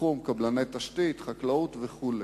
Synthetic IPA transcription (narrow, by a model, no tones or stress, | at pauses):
umkablanet̪aʃt̪it̪χaklaut̪veχule